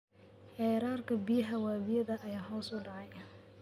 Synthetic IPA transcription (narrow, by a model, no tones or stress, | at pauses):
ħɛːɾaːrkʰɐbɪjɐɦɐwaːβɪjɐðɐʔːjaːɦɔːsʊɖɑʕɑj